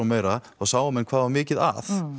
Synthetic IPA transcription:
awmeːjɾaθaɣsaːwamɛnkʰvaːðvaɾmɪːcɪða̰θ

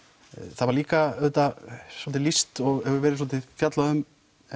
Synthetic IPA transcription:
θavaɾliːkaœt̪asɔlt̪ɪlist̪ɔɣɛvʏɾvɛːɾɪs̬ɔlt̪ɪfjat̪laðʏm

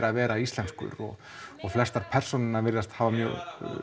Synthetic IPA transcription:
ɾavɛːɾaist̪lɛnskʏ̰ɾɔ̰ | ɔɣflɛst̪aɾ̥pʰɛr̥sɔnɪnːaɾvɪɾðast̪haːvamjœ̰ːɣ

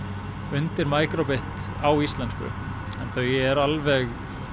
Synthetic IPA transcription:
ʏnt̪ɪɾmaːjkɾɔpɪht̪ | awist̪lɛnskʏ̰ | ɛnθœɥɛɛɾalvɛɣ

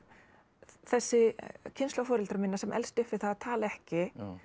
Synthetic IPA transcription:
θɛsːɪcʰɪnst̪afɔːɾɪlt̪ɾmɪnːasɛmʔɛ̰lst̪ɪhfːɪɾ̥θaðat̪ʰaːlɛhcɪ

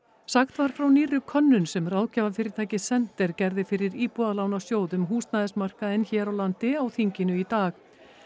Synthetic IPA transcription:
saxt̪vaɾ̥fɾawniːɾʏkʰœnːʏnsɛmraːwcaːvafɪɾɪɾt̪ʰaːjcɪsɛn̥t̪ɛɾ̥cɛɾðɪfɪɾɪɾiːpɔðalawnawsjoːwðʏmɦuːst̪naðɛsmar̥kaɪnçɛːɾawlant̪ɪawθiɲcɪnʏit̪aːx

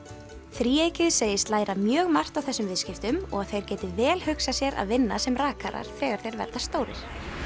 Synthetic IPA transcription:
θɾiːejcɪðseːjɪst̪laːjɾamjœːɣmar̥t̪awθɛsʏmvɪðscɪft̪ʏmɔ̰ɣaθejɾ̥cɛːt̪ɪvɛːlhʏksasjɛɾʔa̰ðvɪnːa̰sɛmraːkaɾa̰ɾ̥θɛːɣaɾ̥θejɾvɛ̰ɾðast̪oːwɾɪ̰ɾ̥

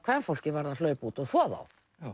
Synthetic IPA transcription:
kʰvaːðanfowl̥cɪvaɾðal̥œɥpuːt̪ɔɣθɔːða̰w

